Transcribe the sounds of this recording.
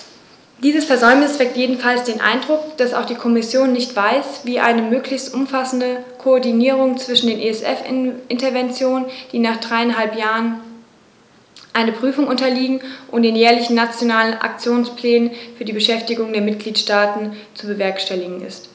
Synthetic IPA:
d̥iːzəsfɛɐzɔʏmnɪsv̥ɛk̚tjeːdn̩falsd̥eːnʔa̰ɪndʁʊkd̥asa̰ʊxd̥iːkʰɔmɪsjoːnːɪçtv̥aɪsviːʔa̰ɪnəmøːklɪçstʔʊmfasn̩dəkʰoɔɐdiniːʁ̞ʊŋt͡sv̥ɪʃn̩deːnʔeɛsʔɛfʔɪntɐvɛnt͡sjoːnənd̥iːnaːχd̥ʁaɪanɦalpjaːʁən | ʔaɪnəpʁ̥yːfʊŋʔʊntɐliːɡŋ̩ʔʊntd̥eːnjɛːɐlɪçn̩ːat͡sjonaːlənʔa̰k̚t͡sjoːnspʰlɛːnənfyːɐdiːbəʃɛftɪɡʊŋdeːɐmɪt̚ɡ̥liːtʃtaːtn̩t͡subəvɛɐkʃtɛlɪɡŋ̩ɪ̰st

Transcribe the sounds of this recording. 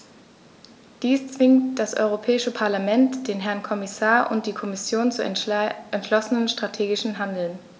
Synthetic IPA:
d̥iːst͡sv̥ɪŋtd̥asʔɔ̰ʏʁ̞opʰɛːɪʃəpʰaɐlamɛntd̥eːnɦɛɐnkʰɔmɪsaːɐʔʊ̰nt̚d̥iːkʰɔmɪsjoːnt͡suʔɛntʃlɔsənənʃtʁ̥atʰeːɡɪʃn̩ɦandl̩n

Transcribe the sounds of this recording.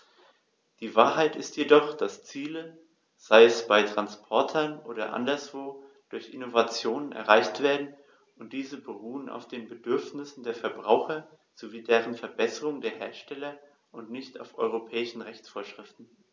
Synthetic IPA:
d̥iːvaːɐɦaɪtɪstjedɔχd̥ast͡siːlə | z̥aɪɛsb̥aɪtʁ̥anspʰɔɐtʰɐnʔoːɾɐ̰ʔa̰ndɐsv̥oː | d̥ʊɐçʔɪnovat͡sjoːnənɛ̰ɐʁaɪçtv̥eːɐdn̩ | ʊnt̚d̥iːzəbəʁuːənʔa̰ʊfd̥eːnbədʏɐfnɪsn̩deːɐfɛɐbʁaʊxɐ | z̥oviːdeːʁənfɛɐbɛsəʁʊŋdeːɐheːɐʃtɛlɐ | ʔʊntnɪçta̰ʊfʔɔ̰ʏʁopʰɛːɪʃn̩ʁɛçt͡sfoːɐʃʁ̥ɪftn̩

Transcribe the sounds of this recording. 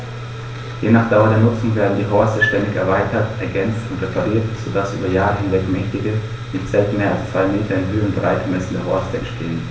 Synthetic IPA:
jenaːχd̥aʊɐdeːɐnʊt͡sʊŋveːɐdn̩diːɦɔɐstəʃtɛndɪçɛ̰ɐvaɪtʰɐtʔɛɐɡɛnt͡stʊntʁ̥epʰaʁiːɐtz̥oːdasʔy̰ːbɐjaːʁəɦɪnvɛkmɛçtɪɡə | nɪçtt͡sɛltmeːɐalst͡sv̥aɪmeːtʰɐɪnɦøːənbəʁaɪt̚ɡ̥əmɛsn̩deɐɦɔɐstəɛ̰ntʃtʰeːən

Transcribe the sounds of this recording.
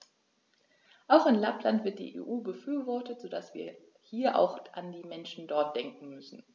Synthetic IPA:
ʔaʊxɪnlaplantv̥ɪɐtd̥ḭːʔḛʔuːbəfyːɐvɔɐtətz̥odasv̥ḭːɐ | hiːɐʔa̰ʊxʔandiːmɛnʃn̩dɔɐt̚d̥ɛŋkŋ̩mʏsn̩

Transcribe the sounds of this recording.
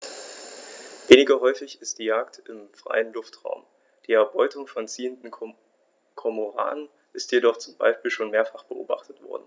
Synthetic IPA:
veːnɪɡɐɦɔʏfɪçɪst̚d̥iːjaːk̚tɪmfʁ̥a̰ɪənlʊftʁ̥a̰ʊm | d̥iːɛɐbɔʏtʊŋfɔnt͡siːəndn̩ | kʰɔmoʁa̰ːnən | ʔɪstjedɔχt͡sʊmba̰ɪʃpiːlʃoːnmeːɐfaχb̥əʔo̰ːba̰χtətv̥ɔ̰ɐdn̩

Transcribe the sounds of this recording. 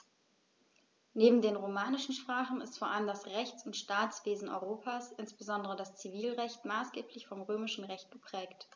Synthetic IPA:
neːbm̩deːnʁomaːnɪʃn̩ʃpʁ̥aːχn̩ɪstfoːɐʔaləmdasʁɛçt͡sʊntʃtaːt͡sv̥eːzn̩ʔɔ̰ʏʁoːpʰaːsʔɪnsb̥əzɔndəʁədast͡siviːlʁɛçtmaːsɡ̥eːpʰlɪçfɔmʁøːmɪʃn̩ʁɛçt̚ɡ̥əpʁ̥ɛːkt

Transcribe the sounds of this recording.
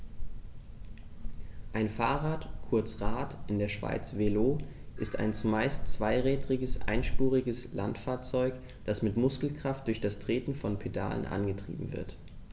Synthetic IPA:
ʔaɪnfaːʁaːtkʰʊɐt͡sʁaːtʔɪndeːɐʃv̥a̰ɪt͡sveloːʔɪsta̰ɪnt͡sumaɪst͡sv̥aɪʁɛːdʁɪɡəsʔa̰ɪnʃpuːʁɪɡəsla̰ntfaːɐt͡sɔʏk | d̥asmɪtmʊskl̩kʁ̥aft̚d̥ʊɐçd̥astʁ̥eːtn̩fɔnpʰeda̰ːlə̰nʔa̰nɡətʁ̥ḭːbm̩vɪ̰ɐt

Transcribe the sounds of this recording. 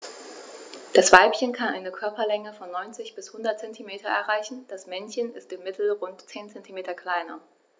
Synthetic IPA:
d̥asv̥aɪpçənkʰanʔa̰ɪnəkʰœɐpɐlɛŋəfɔnːɔʏnt͡sɪçb̥ɪshʊndɐtt͡sɛntʰimeːtɐɛ̰ɐʁaɪçn̩d̥asmɛnçənɪstɪmːɪtʰl̩ʁʊntt͡seːnt͡sɛntʰimeːtɐkl̥aɪnɐ

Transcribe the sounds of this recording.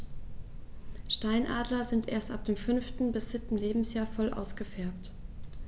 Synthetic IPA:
ʃtaɪnʔaːdlɐzɪntʔeːɐstʔa̰p̚d̥eːmfʏnftn̩bɪsz̥ɪtn̩leːbm̩sjaːɐfɔlʔa̰ʊsɡ̥əfɛɐp̚t

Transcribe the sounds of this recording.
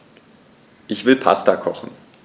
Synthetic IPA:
ʔɪçv̥ɪlpʰa̰stakʰɔχn̩

